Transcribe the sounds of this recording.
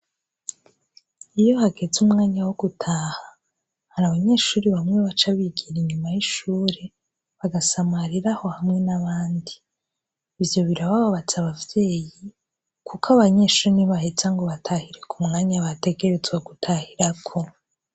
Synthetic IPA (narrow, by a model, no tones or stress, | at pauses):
ijo̞haɡe̞d͡zumŋaːɲawoɡ̥utʰaːha | haɾaβaɲe̞ːʃuːɾiβamŋe̞βat͡ʃaβiɡiɾiɲumajiʃuːɾe̞ | βaɡasamaɾiɾaho̞hamŋe̞naβaːndiː | vjo̞βiɾaβaβaβat͡saβavje̞ːji | kʰukʰaβaɲe̞ːʃuɾiniβahet͡saŋɡo̞βatʰahiɾe̞kumŋaːɲaβate̞ɡe̞ɾe̞zɡwaɡutʰahiɾakʰo